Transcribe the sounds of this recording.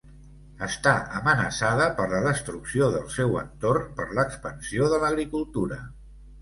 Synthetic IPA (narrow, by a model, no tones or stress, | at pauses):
əst̪aəmənəsaðəpəɾləðəst̪ɾuksioðəlˠsɛwə̰nt̪ornpəɾləkspənsioðələɣɾikulˠt̪uɾə